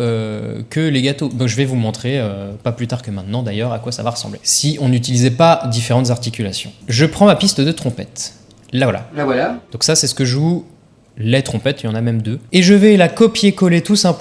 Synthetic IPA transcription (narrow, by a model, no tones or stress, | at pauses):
økəleɡat̪ob̪ɔ̃ʒəvɛvumɔ̃t̪χeøpaplyt̪aʁkəmɛ̃t̪nɑ̃d̪ajœʁakwasa̰vaʁəsɑ̰̃blḛsiʔɔ̃nyt̪̬ilizɛpad̪ifeʁɑ̃t̪zaʁt̪ikʲylasjɔ̰̃ʒəpχɑ̃mapist̪əd̪ət̪χɔ̃pɛ̰t̪ | lavwala̰lavwalad̪̥ɔ̃ksasɛsə̥kəʒu | let̪χɔ̃pɛt̪jɑ̃namɛmd̪øeʒəvɛlakɔpjekɔlet̪usɛ̃p